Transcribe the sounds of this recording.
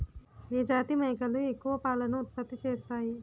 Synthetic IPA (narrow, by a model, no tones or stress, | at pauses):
eːd͡ʒaːt̪imɐɦikɐluekːuʋɐpaːlɐnɐut̪̚pɐt̪ːit͡ʃeːst̪aːi